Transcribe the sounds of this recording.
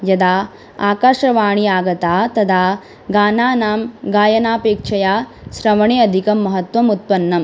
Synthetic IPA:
jɐd̪aː | aːkaːʂɐʋaːɳ̃iaːɡɐt̪aːt̪ɐd̪ʰaː | ɡaːnaːnaːmɡaːjɐnaːpeːkʂʰɐjaː | ʃɾɐʋɐɳeːɐd̪ʱikɐmːɐɦɐt̪ʋɐmut̪̚pɐnːɐm

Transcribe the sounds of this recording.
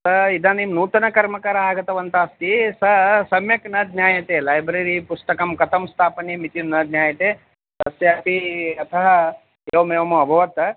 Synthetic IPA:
sɐid̪ʱaːnimnuːt̪ɐnɐkɐɾmɐkaɾɐaːɡɐt̪ɐʋɐnt̪aːst̪isɐsɐmjɐknɐd̪̚nʲjaːjɐt̪eːlaːjbɾeɾipust̪ɐkɐmkɐt̪ɐmst̪ʰaːpɐnimit̪jiunːɐd̪nʲjaːjɐt̪e | ɐst̪eɐpiɐt̪ʰɐɦɐ | jeʋmeːʋɐmɐɐbʱɐʋɐt̪

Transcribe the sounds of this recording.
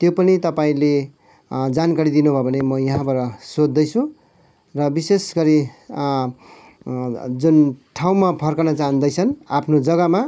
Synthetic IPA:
t̪jopʌnit̪ʌpaĩle | d͡zankaɾid̪inubʱʌbʱʌnemʌjʌɦãbaɾʌsod̪ːʌjt͡sʰũ | rʌbisesɡʌɾi | d͡zunʈʰaw̃mapʰʌrkanʌt͡saɦʌ̃nd̪ʌjt͡sʰʌnapʰnod͡zʌɡʌma

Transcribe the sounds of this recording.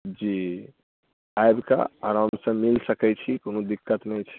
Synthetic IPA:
d͡ʒi | ajbka̰a̰ɾɦəmsə̃milsəkɛt͡ʃʰikonũd̪ikːət̪nɛjt͡ʃʰi

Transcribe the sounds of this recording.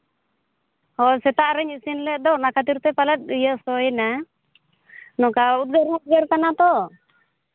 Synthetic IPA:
hɔsɛt̪aʔɾɛɲisinlɛd̪ɔnakat̪̬iɾt̪ɛpalɛt̪̚ijəʔsɔɛna | nɔkaut̪̚ɡəɾut̪̚ɡəɾkanat̪ɔ

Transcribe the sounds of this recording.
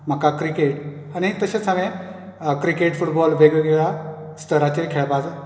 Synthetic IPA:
m̤əkakɾikeʈ | añit̪əɕet͡sɦamẽ | kɾikeʈfuʈbɔlʋeɡiɡʱeɭa | st̪ʰəɾat͡ɕekʰeɭbad͡z

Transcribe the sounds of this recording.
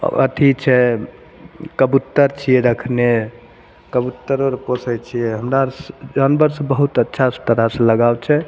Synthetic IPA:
ə̰t̪ʰit͡ʃʰɛ | kəbut̪ːəɾt͡ʃʰiɛɾəkʰne | kəbut̪ːəɾoɾposəjt͡ʃʰijɛɦəmɾasd͡ʒanbəɾsəbəɦut̪ətːʃʰast̪əɾəseləɡabt͡ʃʰɛ

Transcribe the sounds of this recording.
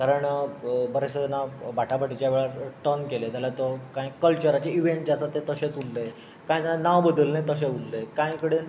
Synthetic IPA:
kaɾəɳbəɾeɕənabaʈʰapaʈit͡ɕjaʋeɭaʈənkelet̪jalat̪ɔkãjkəlt͡ɕəɾat͡ɕeiʋeɳʈd͡ʑasat̪ːet̪əɕẽt͡sulːe | kãj̃t̪alanaʋbəd̪əlnẽt̪əɕ̬ẽulːekãjkəɽen

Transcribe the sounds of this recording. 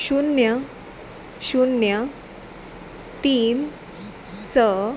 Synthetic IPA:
ɕunjə | ɕunjə | t̪iːn | sə

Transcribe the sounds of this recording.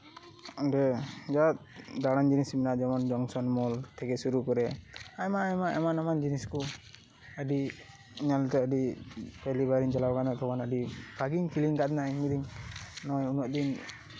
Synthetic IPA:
ɔdɛd͡ʒat̪̚d̪aɽand͡ʒinisminaʔd͡ʒɔmɔnd͡ʒɔŋsɔnmɔlt̪ʰɛkɛsuɾukɔɾɛajmamaʔɛmanamand͡ʒinisku | əɖi | ɲalt̪ɛəɖipɛlibaɾiɲd͡ʒalawɡanɔt̪ɔkanaɖibʰʱaɡiŋkʰiliŋkat̪naimid̪iŋnɔjunɔʔ̚d̪in

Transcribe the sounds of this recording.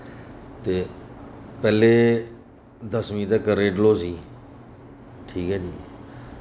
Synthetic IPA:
t̪eː | pɛːleː | d̪əsmĩːt̪əkəɾeːɖloːsiː | ʈʰiːkɦɛːd͡ʒiː

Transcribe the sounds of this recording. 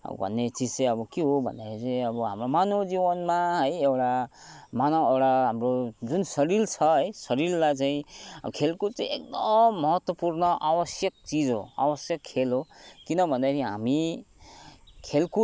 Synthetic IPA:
bʱʌ̰nːet͡sid͡zt͡sẽʌbʌkeɦobʱʌ̰nd̪aɾit͡sẽʌbʌɦamɾomanod͡ziwʌnmaɦʌjewʈamanoewʈaɦamrod͡zunsʌɾilt͡sʰʌɦʌjsʌɾillat͡saĩkʰelkot͡saĩek̚d̪ʌmːʌɦʌt̪wʌpurnʌʔawʌsjʌk̚t͡sid͡zɦo̰a̰wʌsjʌkʰːelɦokinʌbʱʌnd̪aiɦa̰mi | kʰelko

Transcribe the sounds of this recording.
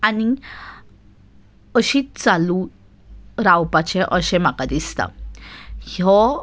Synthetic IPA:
ani | əɕit̪̚t͡salu | ɾawpat͡ɕɛ̃ʔəɕɛ̃m̤akad̪ist̪a̰ | hɔ

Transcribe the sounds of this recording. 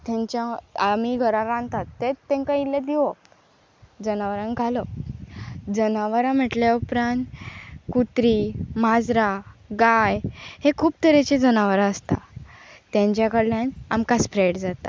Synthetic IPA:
t̪ãɲt͡ɕjãamiɡʱəɾãɾãnt̪at̪ːet̪ːẽŋkailːad̪iʋo | d͡zənaʋɾãŋɡʱalɔ | d͡zənaʋəɾãm̤əʈljaupɾãnt̪kut̪ɾimad͡zɾaɡajhekʰuːb̚t̪əɾẽt͡ɕed͡zənaʋɾaəst̪a̰t̪jãɲt͡ɕjakəɽljãna̰mkaspɾeɽd͡zat̪a̰

